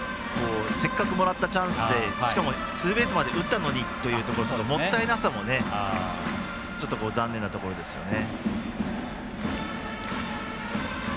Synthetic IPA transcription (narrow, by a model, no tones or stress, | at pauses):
ko̞ːse̞kːakɯ̟mo̞ɾat̪ːat͡ɕãɰ̃sɨd̪e̞ɕi̥kamo̞ | sɨːbe̞ːsɨmad̪e̞ʔɯ̟t̪ːano̞ɲ̟it̪ːo̞jɯ̟ːt̪o̞ko̞ɾot͡ɕot̪ːomo̞t̪ːainaasamo̞ne̞ | t͡ɕo̞t̪ːo̞koːzãnːẽ̞nːat̪o̞ko̞ɾo̞d̪e̞sɨ̥jo̞̰ne